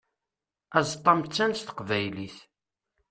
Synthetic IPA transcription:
æzt̪ˤːɑmt͡sːænst̪ə̥qvæjliθ

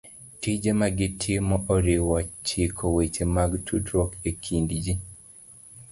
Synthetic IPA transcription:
tid͡ʒemaɡɪtʰɪmɔʔɔɾɪwɔt͡ʃɪkʰowet͡ʃemaɡtʰudɾɔkekʰindd͡ʒi

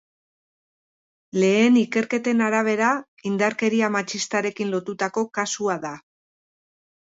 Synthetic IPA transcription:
le̞ːnike̞ɾke̞t̪e̞naɾaβ̞e̞ɾa | ind̪aɾke̞ɾiamat͡ʃist̪aɾe̞kinlo̞t̪ut̪ako̞kasuaða

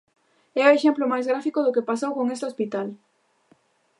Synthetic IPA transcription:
ɛoeʃɛmplomajzɣɾafikoðʊkepasowkoŋest̪ɪospit̪al

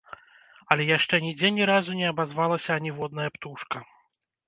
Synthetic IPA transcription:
ɐlʲɛjaʂt͡ʂɛnʲid͡zʲɛnʲɛɾazunʲɛɐbazvalˠɐsʲɐːnʲivɔd̪nɐjɐpt̪uʂkɐ

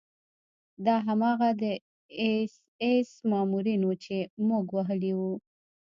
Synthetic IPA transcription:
d̪ɑɦamɑɣad̪ə | es | esmɑmuɾinut͡ʃemuɡwaɦəliwu

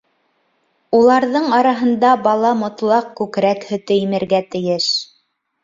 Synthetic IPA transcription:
ulˠɑɾðɤɴɑɾɑɦɤ̆nd̪ɑbɑlˠɑmŏt̪lˠɑqkʉkɾækhɵ̆t̪ɘjimɘ̆ɾɡæt̪ɘ̆jɘʃ

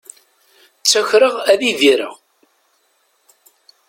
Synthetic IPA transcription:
t͡sːæçɾəʁæðiðiɾə̰ʁ

